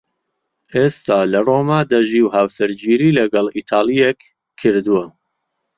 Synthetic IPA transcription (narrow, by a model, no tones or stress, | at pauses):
ʔest̪aːlɐroːmaːd̪ɐʒiwhawsɨɾd͡ʒiːɾiːlɐɡɑlit̪ʰɑːlˠijekʰː | ɨɾd̪uwɐ